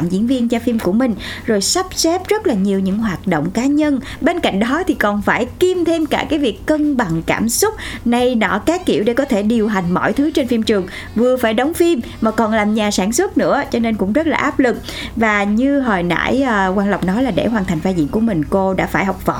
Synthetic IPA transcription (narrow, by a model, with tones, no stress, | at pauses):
mzḭ˧˥ənvi˧ənt͡ɕɔ˧fi˧mku˧˩əmï˨˩ŋ̟zo˨˩jsa˦˥p̚sɛ˦˥p̚zə˦˥t̚laː˨˩ɲi˨˩əwɲɨ̰˧˥ŋɦwaː˨˩t̚ɗo̰˧˨wŋ͡mkaː˨˦ɲə˧n | ɓe˧nka̰˧˨jŋ̟ɗɔ˨˦t̪ʰi˨˩kɔ˨˩nfaː˧˩jki˧mt̪ʰe˧mkaː˧˩kaː˨˦jvi˨˩əkːə˧ŋɓa˨˩ŋkaː˧˩msʊ˦˥k͡p̚na˧jnɔ̰˧˩kaː˨˦ki˧˩əwɗe˧˩kɔ˨˦t̪ʰe˧˩ɗi˨˩əwɦa˨˩jŋ̟mɔ̰˧˩jt̪ʰɨ˨˦t͡ɕe˧nfi˧mt͡ɕɨ˨˩əŋ | vɨ˨˩əfaː˧˩jɗə˨˦wŋ͡mfi˧m | maː˨˩kɔ˨˩nlaː˨˩mɲaː˨˩saː˧˩nswə˦˥t̚nɨ̰˧˥ət͡ɕɔ˧ne˧nkʊ̰˧˥ŋ͡mzə˦˥t̚laː˨˩ʔaː˦˥p̚lɨ˨˩k̚ | vaː˨˩ɲɨ˧ɦɔː˨˩jna̰ː˧˥jːkwaː˧nla˨˩wk͡p̚nɔ˨˦laː˨˩ɗḛ˧˩ɦwaː˨˩nt̪ʰa˨˩jŋ̟faː˧jzḭ˧˨ənku˧˩əmï˨˩ŋ̟ko˧ɗa̰ː˧˥faː˧˩jɦɔ˨˩wk͡p̚vɔ̰˧˨